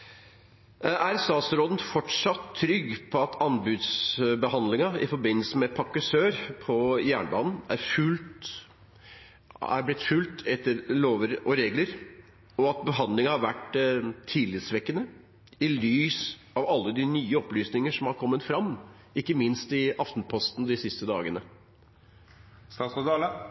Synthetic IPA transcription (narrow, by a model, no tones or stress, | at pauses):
æɾst̪ɑːt̪sɾoːd̪n̩fɔʈʂɑt̪tʰːɾʏɡːpʰɔɑt̪ʰɑnbʉːd̪sbəhɑnd̪lɪŋɑɪ̰fɔɾbɪnːəlsəmɛpʰɑkːʉsøːɾpʰɔjæːɳəbɑːnn̩æ̰ɾfʉlt̪ | æ̰blɪt̪fʉlt̪ʰɛt̪ːəɾloːʋəɾʔɔɾeːɡləɾ | ɔɑt̪̚bəɦɑnd̪lɪŋɑhɑɾʋæʈt̪ʰːiːlɪt̪sʋɛkːənə | ɪlyːs | ɑʋɑlːəd̪ɪnyːəɔplyːsnɪŋəʂɔmhɑɾkʰɔmːət̪fɾɑmː | ɪkːəmɪnst̪ɪɑft̪n̩pʰɔst̪n̩d̪ɪsɪst̪əd̪ɑːɡənə | st̪ɑːsɑd̪ɑlə